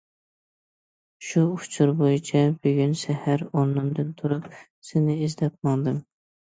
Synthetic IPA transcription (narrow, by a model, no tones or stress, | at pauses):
ʃuʊ̥t͡ʃʰuɾbojit͡ʃʰɑb̥yɡʲynʃɛhæɾɑnːɨmd̪ɨnt̪ʰuɾup̚ | sɪnɪizd̪ɛp̚mɑŋd̪ɨm